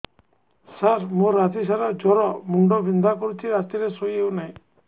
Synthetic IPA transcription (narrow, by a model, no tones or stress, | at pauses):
saɾmoɾad͡ʒ̪isaɾad͡ʒɔɾɔmuɳɖɔbʱind̪akɔɾut͡ʃʰiɾat̪iɾesojewnaj̃